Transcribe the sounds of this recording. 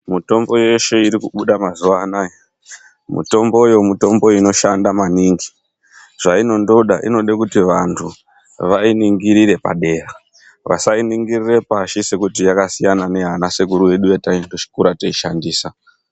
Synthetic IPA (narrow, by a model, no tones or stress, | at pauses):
muto̞mbo̞je̞ʃe̞iɾikuɓuɗamazuʋaːnaje | mṵto̞mbo̞jo̞muto̞mbo̞ino̞ʃandamaniŋɡi | ʐ̥aino̞ndo̞ɗaʔḭno̞ɗekutiʋantʰu | ʋainiŋɡiɾiɾe̞pa̰ɗe̞ra | ʋa̰sainiŋɡirire̞paʃise̞kutijakasijanane̞ɦanase̞ɡuɾuje̞ɗujataindo̞t͡ʃi̥kuɾatoiʃandiːsa